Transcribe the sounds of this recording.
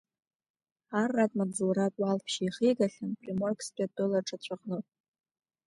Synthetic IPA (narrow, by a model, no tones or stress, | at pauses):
arːatʼmad͡zuɾatʼwalpʰʃijχijɡaχʲanpʼrimorkspʼadɨlaʈ͡ʂʰʼat͡ɕʷʰaqʼnɨ